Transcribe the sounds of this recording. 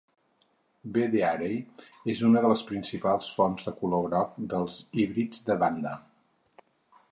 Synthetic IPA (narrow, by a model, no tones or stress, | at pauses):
beðeaɾejezunəðələspɾinsipalˠsfɔnzðəkuloɾɔk̚d̪əlˠziβɾid͡zd̪əβand̪ə